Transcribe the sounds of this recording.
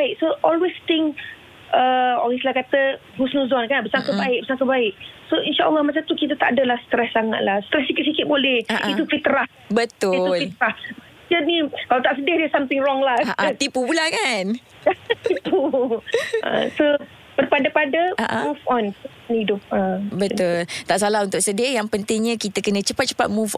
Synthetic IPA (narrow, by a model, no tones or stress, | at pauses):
ɪk̚soʔɔlwest̪ɪŋ | ʔəɔ̰ɣislahkat̪əɡusnũzɔnkanbəsaŋkəbaɪʔ̚bəsaŋkəbaɪʔ̚soinʃaʔə̰lːɔhmat͡ʃamt̪ukit̪ət̪aʔadəlahsə̥t̪ɾɛsːaŋa̰t̪̚lahst̪ɾɛsikɪt̪̚sikɪt̪̚bolɛhʔit̪ufit̪əɾah | bət̪ʊtulfit̪ɾahbə | t͡ʃənikalat̪aʔsədahdɛsamt̪ɪŋrɔŋlaaʔat̪ipupulakan | at̪ipu | ə̰so | bərpadapadaaʔamufɔns | nidʊp̚əbət̪ʊlt̪aʔsalaɦunt̪ʊk̚sədiajaŋpənt̪ɪŋɲãkit̪əkənə̃t͡ʃəpat̪̚t͡ʃə̥pat̪̚muf